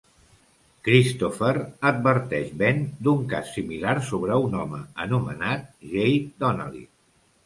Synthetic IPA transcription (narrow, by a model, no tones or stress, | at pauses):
kɾist̪ofəɾəd̪̚βəɾt̪ɛʃβend̪uŋka̰sːimilaɾsoβɾəunɔməənumənat̪̚ʒejd̪ɔnə̰lˠḭ